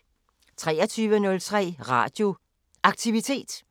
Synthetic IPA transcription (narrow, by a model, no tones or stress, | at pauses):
t͡sʰʁɛːɐt͡sʰyːʋənɔ̽lt͡sʰʁɛ̰ːʁɑ̈ːd̥jo̝ | ʔɑ̈ɡ̥̚t͡sʰiʋit͡sʰe̝̰ːd̥